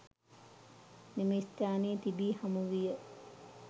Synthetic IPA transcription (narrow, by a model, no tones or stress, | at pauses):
nimist̪aːneːt̪ibiːhamuʋijə